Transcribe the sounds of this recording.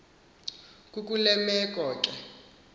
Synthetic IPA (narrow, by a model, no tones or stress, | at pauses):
kʼuk̬ʼulɛmɛk̬ʼɔːkʼɛ